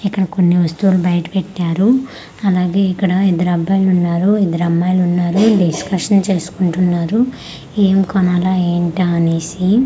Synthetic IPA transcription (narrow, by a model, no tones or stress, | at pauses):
ikːɐɽɐko̞nːiɦust̪uːlubɐjɐʈɐ̥peʈːaːɾu | ɐlaːɡe̞ːikːɐɽɐid̪ɐɾɐbajlunːaːɾuid̪ɐɾɐmːaːjlunːaːɾuɖiskɐʂɐnt͡ʃe̞ːsu̥kuɳʈunːaːɾu | eːmkɐnalaːeːɳʈaɐne̞ːsi